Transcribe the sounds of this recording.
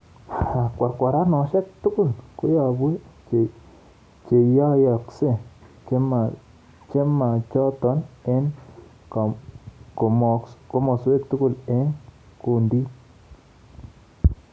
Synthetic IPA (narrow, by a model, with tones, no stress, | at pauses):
a˨kʷa˧ɾkʷa˨ɾa˦no˧˨ʃe˦k̚t̪u˦ku˦˨lko˦ja˧bwi˦t͡ʃe˨ | t͡ʃe˨ja˦ja˧kse˦t͡ʃe˦ma˧ | t͡ʃe˦ma˨t͡ʃo˦t̪o˧˦ne˦n | kko˨mo˧ko˦mo˧se˦kt̪u˦ku˧le˦ŋ | ku˧nd̪i˦t